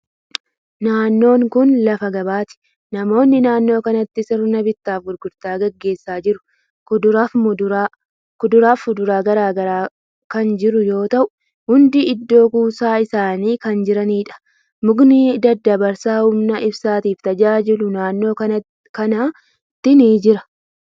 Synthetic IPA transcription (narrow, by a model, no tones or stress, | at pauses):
naːnːo̞ːŋkʊnlɐfɐɡɐbaːt̪ɪ̥ | nɐmo̞ːnːɪnaːnːo̞ːkɐnɐt̪ːɪsɪɾnɐbɪt̪ːaːfɡʊɾɡʊɾt̪aːɡɐɡːe̞ːsːaːd͡ʒɪɾʊ̥ | kʊd̪ʊɾaf | kʊd̪ʊɾaːfʊd̪ʊɾaːɡɐɾaːɡɐɾaː | kɐnd͡ʒɪɾʊjo̞ːt̪ɐʔʊ̥ | hʊnd̪iɪd̪ːo̞ːkuːsaːɪsaːniːkɐnd͡ʒɪɾɐniːᶑɐ̥ | mʊɡnid̪ɐd̪ːɐbɐɾsaːhʊmnɐʔɪbsaːt̪iːft̪ɐd͡ʒaːd͡ʒɪlʊnaːnːo̞ːkɐɐ | kɐnaː | t̪ːɪniːd͡ʒɪɾɐ